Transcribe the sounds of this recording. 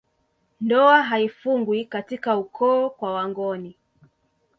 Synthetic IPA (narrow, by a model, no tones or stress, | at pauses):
ndɔaɦaifuŋɡwikatikaukʰɔːkwawaŋɡɔni